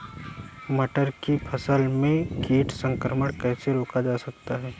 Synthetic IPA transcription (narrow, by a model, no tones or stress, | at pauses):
mɐʈəɾkipʰɐsəlmẽkiːʈʰsə̃ŋkɾəməɽ̃kɛːseɾoːkad͡ʒaːsɐk̚t̪aɦɛː